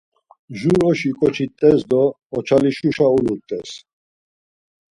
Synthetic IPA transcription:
ʒuɾɔʃikʼɔt͡ʃʰit̪ʼɛsd̪ɔː | t͡ʃʰaliʃuʃauluɾt̪ʼɛs

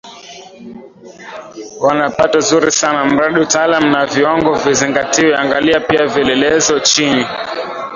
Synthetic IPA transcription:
wanapatazuɾisanam̩ɾaɗiutaːlamunaviwaŋɡɔviziŋɡatiwɛa̰ŋɡaliapiavɛlɛlɛzɔt͡ʃini

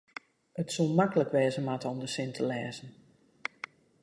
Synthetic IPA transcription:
ətsulˠmakələkʋɛːzəmatɔmdəsɪntʰəlɛːzən̩

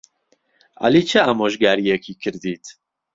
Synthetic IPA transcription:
ʔa̰liːt͡ʃʰɨamoːʒɡaːɾijɛkʰiːkʰɨɾd̪iːt̪

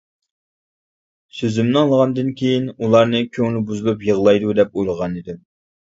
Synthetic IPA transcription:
søzymnɪɑlˠʁɑnd̪ɨnkʲʰejinulˠɑɾnɨkʲʰøŋlɪbuzɨlˠɨpjəʁlˠɑjd̪ud̪ɛp̚ojlˠʁɑnid̪ɪm

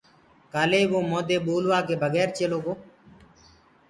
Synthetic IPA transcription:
kaːleːʋoːmoːd̪eːɓuːlʋaːkeːbʱəɣɛːɾt͡ʃeːloːkoː

